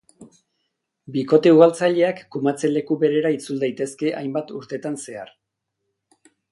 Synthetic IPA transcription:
biko̞t̪e̞uɣ̞alt͡saʎe̞akːumat͡se̞le̞kuβe̞ɾe̞ɾait͡suld̪ajt̪e̞ske̞ʔa̰jmbat̪uɾt̪e̞t̪anse̞ar

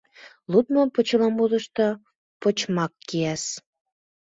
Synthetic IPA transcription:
lut̪mopot͡ɕəlɑmud̪ə̆ʃt̪o | pot͡ɕmɑkːiæʃ

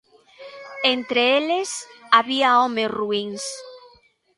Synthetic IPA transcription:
ent̪ɾeelesaβiaomesruiŋs

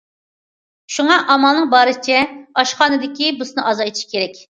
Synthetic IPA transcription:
ʃuŋɑʔɑmɑlˠnɨŋbɑːɾɨsɪt͡ʃʰɛɑʃχɑːnɨd̪ɪkʲibʊsnɨʔɑzɑjt̪ʰɪ̥ʃkʲʰeɾɛkʲ

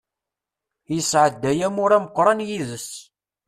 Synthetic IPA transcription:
jəsʕəd̪ːæjæmʊɾæməqːɾˤɑnjiðəs

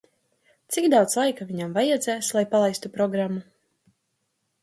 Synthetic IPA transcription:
t̪sikd̪awt̪slˠajkaviɲamvajad̪zæːslˠajpalˠajst̪upɾɔɡɾamːu

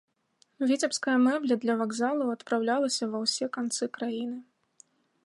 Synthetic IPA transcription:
vʲit͡sʲɛpskɐjɐmɛblʲɐd̪lʲɐvaɡzalˠɐwɐt̪pɾawlʲalˠɐsʲɐvɐwsʲɛkant̪sɨkɾajinɨ

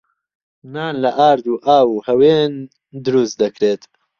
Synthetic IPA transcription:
naːnlɐʔaːɾd̪uːʔaːwuhɐweːn | d̪ɨɾust̪̚d̪ɐkɾeːt̪

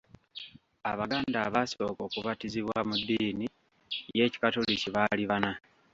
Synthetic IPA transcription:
aβaɡaːndaβaso̞ːko̞ːkuβatiziβwamudːiːni | je̞ːci̥katoliciβaliβana

